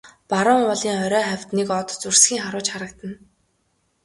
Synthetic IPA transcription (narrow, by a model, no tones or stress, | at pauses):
paɾə̆ŋʊɮiːŋœɾœːχæwʲt̪nekɔt̪t͡sursɡʲiːŋχaɾʊːt͡ɕχaɾə̆k̚t̪ə̆n